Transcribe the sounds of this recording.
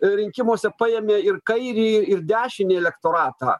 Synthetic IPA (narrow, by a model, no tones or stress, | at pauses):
ɾʲɪŋʲkʲɪmoɔsʲɛpɑjeːmʲeːɪrkɐɪɾʲiːɪɾd̪ʲæːʃʲɪnʲɪɛlʲɛkt̪oːɾɑːt̪ɑ̰ː